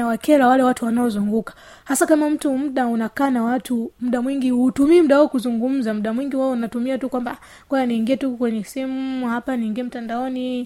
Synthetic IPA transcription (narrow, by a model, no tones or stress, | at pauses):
awakɛɾawalɛwatuwanaɔzuŋɡukḁ | hasakamam̩tum̩ɗaunakaːnawatum̩ɗamwiŋɡihutumiːm̩ɗawaɔkuzuŋɡum̩zam̩ɗamwiŋɡiwaɔunatumiatukwamba | ɡɔjaniːŋɡiɛtukwɛɲɛsimuhapaniːŋɡiɛm̩tandaɔni